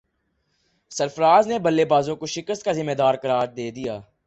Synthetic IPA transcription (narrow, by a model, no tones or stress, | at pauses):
səɾfəɾaːznebəlːebaːzõkoʃɪkəst̪̚kazɪmːeːd̪aːɾkəɾaːɾd̪eːd̪ijaː